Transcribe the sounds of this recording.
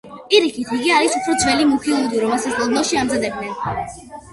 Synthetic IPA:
pʼiɾikʰit̪ʰiɡiaɾisupʰɾɔd̪zvɛlimukʰilˠɔd̪iɾɔmɛlˠsasɛlˠbɛlˠʃiamzad̪ɛb̚d̪nɛn

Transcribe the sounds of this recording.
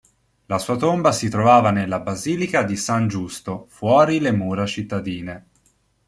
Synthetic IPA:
lasuːat̪ombasit̪ɾovaːvanelːabaziːlikad̪isand͡ʒust̪ofwɔːɾilemuːɾat͡ʃit̪ːad̪iːne

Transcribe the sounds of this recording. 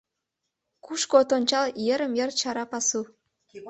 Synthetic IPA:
kuʃkot̪onʲt͡ɕɑljeɾə̆mjert͡ɕɑɾɑpɑsu

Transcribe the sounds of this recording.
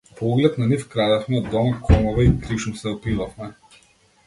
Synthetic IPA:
pɔɔɡlɛt̪nanifkɾad̪ɛfmɛd̪ɔmkʰɔmɔvaikɾiʃumsɛɔpivafmɛ

